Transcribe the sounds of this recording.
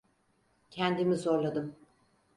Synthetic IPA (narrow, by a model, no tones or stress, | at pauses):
cʰɛnd̪imizo̞ɾlˠad̪ɯm